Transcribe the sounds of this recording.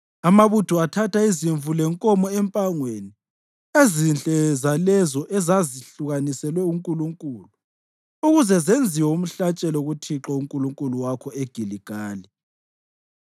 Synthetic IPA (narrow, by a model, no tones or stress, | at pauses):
amaβutʰuatʰataiziɱvulɛŋkʼɔmɔɛmpʼaŋweni | ezinɬʼɛzalɛzɔʔɛzaziɬuɣanisɛlwɛuŋkʼuluŋkʼulu | uɣuzɛzend͡zʱiwɔum̩ɬat͡ʃʼɛlɔuɣutʰiǁɔuŋkʼuluŋkʼuluwakʰɔeɡ̥ʱiliɡ̥ʱaːli